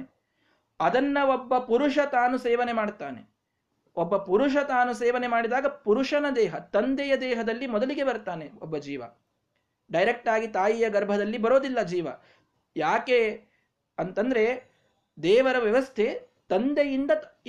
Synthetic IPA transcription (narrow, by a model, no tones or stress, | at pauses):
ɐd̪ɐnːɐobːɐpuɾuʂɐt̪aːnuseːʋɐnemaːɖt̪aːne | obːɐpuɾuʂ̬ɐt̪aːnuseːʋɐne̞maːɽid̪aːɡɐpuɾuʂɐnɐd̪ɛːɦɐt̪ɐnd̪ɛjɐd̪ɛːɦɐd̪ɐlːimɔd̪ɐliɡe̞bɐɾt̪aːneɔbːɐd͡ʒiːʋɐ̰ | ɖɐjɾek̚ʈaːɡit̪aːjijɐɡɐɾbʱɐd̪ɐlːibɐɾoːd̪ilːɐd͡ʒiːʋɐ | jaːke | ɐnt̪ɐnd̪ɐɾe̞ | d̪ɛːʋɐɾɐʋjɐʋɐst̪ʰe̞ | t̪ɐnd̪ejind̪ɐ